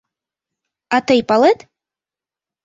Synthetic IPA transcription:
at̪ɨjpalˠɛt̪

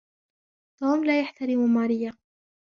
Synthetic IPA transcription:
t̪uːmlaːjaħt̪aɾɪmʊmaːɾɪjːa

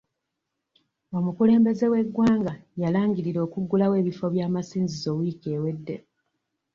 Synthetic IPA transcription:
omukule̞ːmbe̞ze̞we̞ɡːwaːŋɡajalaːŋɟiɾiɾo̞ːkuɡːulawe̞ːβifo̞βjaːmasiːnzizo̞wike̞ːwe̞dːe̞

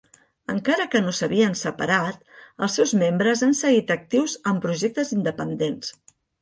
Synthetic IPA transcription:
ə̰ŋkaɾəkənosəβiənsəpəɾat̪̚əlˠsɛwzmembɾəzansəɣit̪ək̚t̪iwzəmpɾuʒek̚t̪əzind̪əpənd̪ens

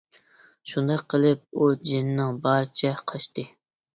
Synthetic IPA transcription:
ʃund̪ɑqʰːəlˠɨp̚ud͡ʒɪnɪnɪŋbɑɾɨt͡ʃʰɛqʰɑʃt̪ɨ

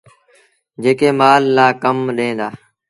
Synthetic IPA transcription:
d͡ʒeːkeːmaːlːaːkəmɗẽːd̪aː

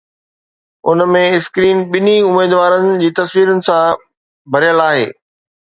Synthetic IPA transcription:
ʊ̰nəmẽɪskɾiːnɓɪniʊmeːd̪ʋaːɾənɪ̆d͡ʑiːt̪ɐsʋiːɾənɪ̆sã | bʱɐɾijəlaːɦḛː

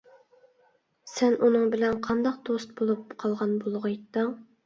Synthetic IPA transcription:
sɛnʔunɨŋbɪlɛnqʰɑnd̪ɑq̚d̪ost̪̚bolˠupqʰɑlˠʁɑnbolˠʁʊjt̪ːɨŋ

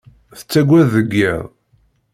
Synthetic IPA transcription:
θə̥t͡sːæɡʷæððəɡːiðˤ

